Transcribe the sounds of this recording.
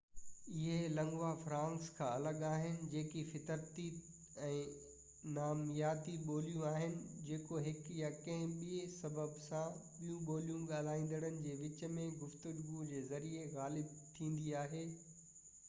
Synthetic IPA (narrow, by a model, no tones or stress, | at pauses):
ɪɦelɐ̃ŋɡʋafɾãːŋkskʰãɐləɡaːɦɪnɪ̆d͡ʑeːkifɪt̪əɾt̪i | ɛ̃ː | naːmjaːt̪iɓoːlijũaːɦɪnɪ̆d͡ʑeːkoɦɪkjakɐ̃ɦɪ̃ɓiesɐbəbsãɓijũɓoːlijũɠaːl̤aːĩːn̆d̪əɽənɪ̆d͡ʑeːʋɪt͡ɕəmẽɡʊft̪ʊɾɡud͡ʑeːzɐɾieɣaːlɪb̚t̪ʰĩːnd̪iaːɦeː